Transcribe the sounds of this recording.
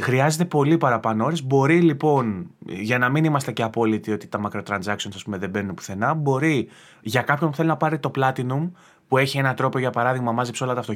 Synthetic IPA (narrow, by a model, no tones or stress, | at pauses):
xɾiɐze̞t̪e̞po̞lipɐɾɐpɐnoo̞ɾe̞zbo̞ɾilipo̞nʝɐnɐminimɐst̪e̞ce̞ɐpo̞lit̪io̞t̪i̥t̪ɐmɐkɾo̞t̪ɾɐnzɐksio̞nsɐspume̞ðebe̞nunepu̥θe̞nɐbo̞ɾi | ʝɐkɐpço̞npuθelinɐpɐɾit̪o̞plɐt̪inum | pue̞çie̞nɐt̪ɾo̞peoʝɐpɐɾɐðiɣmɐmɐzipso̞lɐt̪ɐft̪o